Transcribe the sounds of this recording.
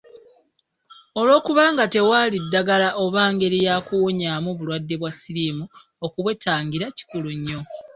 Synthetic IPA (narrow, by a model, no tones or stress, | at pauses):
o̞lwo̞ːkuβaːŋɡate̞waːlidːaɡalaʔo̞βaːŋɡe̞ɾijaːkuwoɲaːmuβulwadːe̞βwasiɾimu | okuβwe̞taːŋɡiɾaci̥kuluɲːo̞